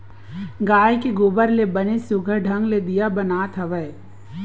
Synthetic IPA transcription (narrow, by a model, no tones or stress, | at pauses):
ɡaːjkeɡʊːbəɾlebənesʊɡʱəɖʱə̃ŋɡled̪ijabɐnaːt̪ʰɐʋə